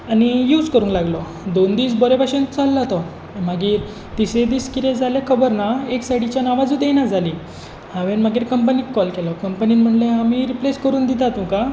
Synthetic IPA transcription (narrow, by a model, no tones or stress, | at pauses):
anijuːd͡zkəɾũŋklaɡlɔ | d̪ond̪iːsbɔɾepaɕẽnt͡salːat̪ɔ | maɡiːɾ | t̪isẽd̪iːskit̪ẽd͡zʱalekʰəbəɾnaeksaʈit͡ɕjanaʋad͡zũd̪enad͡zʱali | hãʋenmaɡiːɾkəmp̬ənikːɔlkɛlɔkəmpəniːnm̤əɳleamiɾipleskəɾuːnd̪it̪at̪ũka